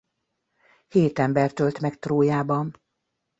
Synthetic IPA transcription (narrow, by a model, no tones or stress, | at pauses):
heːt̪ɛmbɛrt̪ølt̪mɛkt̪roːjaːbɒn